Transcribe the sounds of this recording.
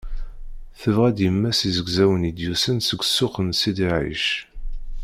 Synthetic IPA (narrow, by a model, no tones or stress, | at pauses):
θəvʁæd̪jəmːæsizəɡzæwənid̪jusənsəɡʷsʊχənsid̪iʕḭʃ